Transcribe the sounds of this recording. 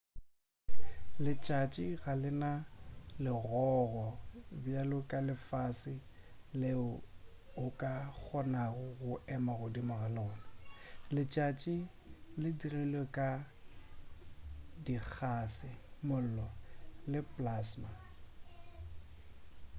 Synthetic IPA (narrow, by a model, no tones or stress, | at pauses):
lɪt͡ʃʼat͡ʃʼiɣalɪnalɪɣɔɣɔbjalʊkʼalɪfasɪ | lɪ | ʊkʼak͡xʰɔnaɣʊɣʊɛmaɣʊdimʊɣalʊːnɪlɪt͡ʃʼat͡ʃʼi | lɪdirɛlwekʼa | dik͡xʰasɪmʊl̩lɔlɪpʼlaːsma